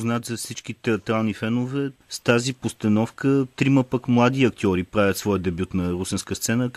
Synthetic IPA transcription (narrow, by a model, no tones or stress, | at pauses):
znat̪zɐfsit͡ʃkit̪ɛɐt̪ɾalˠnifɛnʊvɛst̪azipost̪ɐnɔfkət̪ɾiməpəkmlˠad̪iɐkt̪ʲiɔɾipɾavʲət̪svɔjəd̪ɛbʲjut̪nɐɾusɛnskəst̪sɛnə